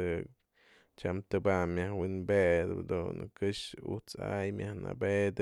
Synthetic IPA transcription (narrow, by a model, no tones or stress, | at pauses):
ɨ | t͡ʃamt̪ɨbamjahwinbed̪ɨ̰d̪unkɨʃut͡sajmʲjahna̰bed̪